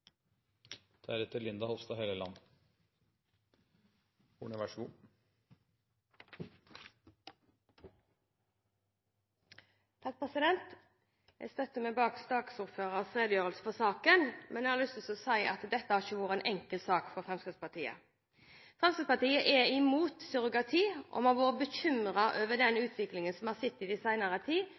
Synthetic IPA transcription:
d̪̥æɾɛt̪ːəlɪnd̪ɑhɔʋst̪ɑheləlɑ̰nː | ʊ̰ɳəʋæʂu | t̪ʰɑk̚pʰʁɛsɪd̪ɛnt̪ | jæ̰st̪œt̪ːəmɛbɑːkst̪ɑːksʊʁføːʁəsfʁeːd̪əjøːʁəlsə̥fɔsɑːkənmʔɛnjɛhɑʁlʏst̪əsɔsæɪʔɑ̰t̪d̪ɛt̪ːəhæːʁçəʋuːʁəɛnʔɛŋkəlsɑːkfɔʁfʁɛmskʁəspɑt̪ʰiːə̰ | fʁɛmskɪspɑt̪iːəʔɛɪmuːt̪sʏʁʊɡɑt̪ʰiːʔɔ̰mɑʋoːʁəbəçʏmʁɑʔøːʋəd̪ɛnʉːt̪ʰʋɪklɪŋənsɔmhɑːʁsɪt̪ːɪːd̪ɪsæɪnəʁət̪ʰiː

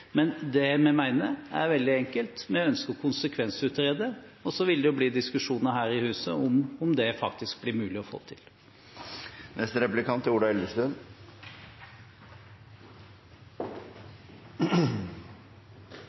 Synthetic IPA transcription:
mɛnd̪ɛmɛmæɪnəæ̰ɾʋɛld̪ɪɛŋkəlt̪mɛœnskɔkʰʊnsəkʰʋɛnsʉt̪ɾeːd̪əɔsɔʋɪld̪ɛjʊbliːd̪ɪskʉʂuːnəɾɦæːɾɪhʉːsəɔmɔmd̪ɛfɑkt̪ɪsk̚blɪɾmʉːlɪɔfo̰ːt̪ʰɪl | nʔɛst̪əɾɛplɪkʰɑnt̪ʰːʊɖɑɛlʋəʂt̪ʉn

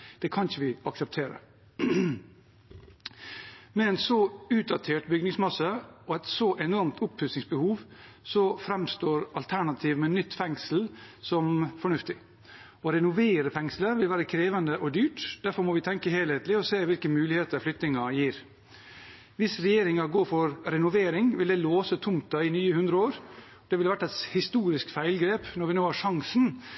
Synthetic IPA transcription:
d̪̥ɛkʰɑnɪçəʋɪɑksɛp̚t̪ʰeːɾə̰ | mɛɛnsɔʉːt̪̚d̪ɑt̪ʰeːʈbʏɡnɪŋsmɑsəɔɛt̪sɔʔɛnɔɾmt̪ʰʊpʰhʉsɪŋsbəhuːʋ | sɔfɾɛmst̪oːɾɑlt̪ʰæɳɑt̪ʰiːʋmɛnːʏt̪ːfɛŋsl̩sɔmfɔɳʉft̪ɪ | ɔɾɛnʊʋeːɾəfɛŋsləʋɪlʋæːɾəkʰɾeːʋɑnd̪əʔɔd̪yːʈd̪̥æɾfɔɾmɔʋɪt̪ʰɛŋkəheːleːt̪lɪɔseːʋɪlkəmʉːlɪheːt̪əɾflʏk̚t̪ɪŋɑjiːɾ | ʋɪsɾɛjeːɾɪŋɑɡoːɾfɔɾɾɛnʊʋeːɾɪŋʋɪld̪ɛloːsət̪ʰʊmt̪ɑɪnyːəhʉnd̪ɾəoːɾ | d̪ɛʋɪlʋæʈːɛt̪hɪst̪uːɾɪskfæɪlɡɾeːpnɔɾʋɪnoːhɑʂɑŋsn̩

